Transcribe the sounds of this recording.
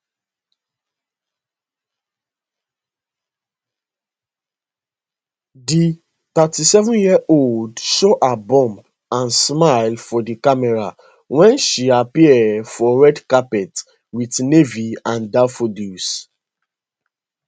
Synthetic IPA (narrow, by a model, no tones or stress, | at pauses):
di | tatisɛvɔ̃njiəʔoldʃɔʔabɔ̃mp | ãnsmajlfɔdikamɛɹa | wɛ̃nʃiapiɛdfɔɹɛdkapɛt | witneviãndafodus